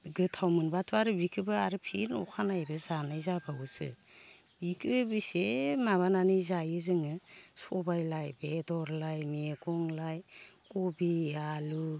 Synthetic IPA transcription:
ɡɯtʰawmɯnbatʰuaɾɯbikʰɯbɯaɾɯpʰinɔ̰kʰanajbɯzanajzabawsɯ̰ | bikʰɯbisemaβananizajɯzɯŋɯsɔbajlajbedɔɾlajmeɡɔŋlajkɔbialu

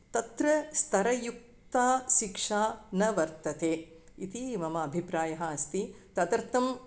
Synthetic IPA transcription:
t̪ɐt̪ɾɐst̪ʰɐɾɐjuk̚t̪aːʃikʂaːnɐʋɐɾt̪ɐt̪eː | it̪imɐmɐːbʱipɾaːjɐɦɐɐst̪it̪ɐt̪ɐɾt̪ɐm

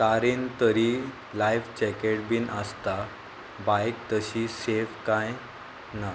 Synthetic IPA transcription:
kaɾiːnt̪əɾi | lajʋt͡ɕɛkeʈ̚biːnəst̪a | bajk̚t̪əɕisefkaj | na

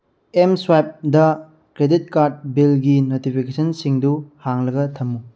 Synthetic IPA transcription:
emswajp̚dɐ | kɾedit̚kaɾt̚bilɡinotipʰikesʰɐnsiŋduhaŋlɐɡɐtʰɐmːu

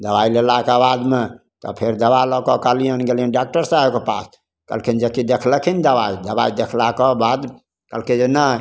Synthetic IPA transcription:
d̪əbailelakeabad̪me | t̪ɔ̰pʰeɾd̪əbalɔkɔkalijənɡelijənɖak̚ʈəɾsaɦebkepas | kə̰lkʰind͡ʒekid̪ekʰləkʰind̪əbaid̪əbaid̪ekʰlakɔbad̪ | kəlked͡ʒenə

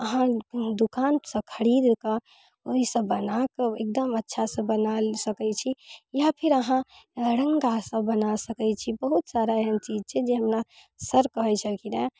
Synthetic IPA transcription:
əɦãd̪ukansə̃kʰəɾid̪kə | oɦisə̃bːənakəek̚d̪əmətːʃʰasə̃bənalsəkɛt͡ʃʰijapʰiɾəɦãɾəŋɡasə̃bənasəkɛt͡ʃʰibəɦut̪saɾaeɦənt͡ʃid͡ʒt͡ʃʰɛd͡ʒeɦəmɾa | səɾkəɦɛt͡ʃʰəlkine

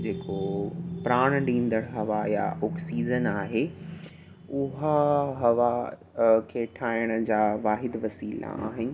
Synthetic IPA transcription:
d͡ʑeːkopɾaːɽ̃ɗĩːn̆d̪əɽ̃ɦɐʋaja̰oːksiːzənaːɦe | ʊɦəɦɐʋa | kʰeːʈʰaːjəɽ̃ə̆d͡ʑaːʋaːɦɪd̪ʋɐsiːla̰a̰ːɦɪnɪ̆

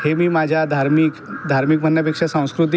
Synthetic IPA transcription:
hemimad͡ʑʱad̪ʱaɾmikd̪ʱaɾmikmənːjəpekʂasə̃w̃skɾut̪̬i

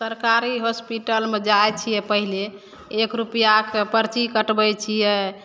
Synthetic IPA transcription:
səɾkaɾiɦospiʈəlmed͡ʒajt͡ʃʰijɛpəɦile | ekɾupjakepəɾt͡ʃikəʈbɛt͡ʃʰijɛ

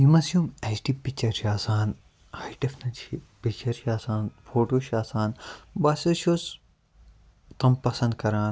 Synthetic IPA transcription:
jimɐsjumet͡ʃʈipikt͡ʃɐɾʃaːsaːn | hɐjʈefnɐt͡ʃʰipikt͡ʃːɐɾʃaːsaːnfʰoːʈoːʃaːsaːnbɐsoʃos | t̪ɐmpɐsɐ̃nd̪̚kɐɾaːn

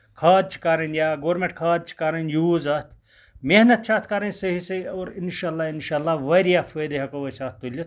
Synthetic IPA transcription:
kʰaːd̪̚t͡ʃʰi̥kaːɾɐnjaːɡoːɾmẽɳʈkʰaːd̪̚t͡ʃʰi̥kaɾɐnjuːzɐt̪ʰ | meɦnɐt̪̚t͡ʃʰaːt̪ʰkɐːɾɐnʲsəɦisɐɐːɾinʃaːlːaːinʃaːlːaːʋɐɾijafʰəːd̪eɦɐkɐʋɐsaːt̪ʰt̪ːulʲjit̪̚

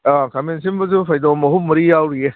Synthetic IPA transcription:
akamensimbɐzupʰajdɔmɐɦumɐɾijawɾie

